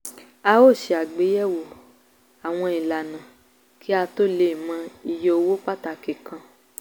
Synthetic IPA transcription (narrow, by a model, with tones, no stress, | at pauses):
a˧o˦˨ʃe˧a˨ɡ͡be˨˦jɛ˦˨wo˨ | a˨w̃ɔ̃˧i˨la˨nã˨ | ki˦a˧to˦le˦˨mã˧i˨je˧o˧wo˦k͡pa˦ta˧˨ke˨kã˧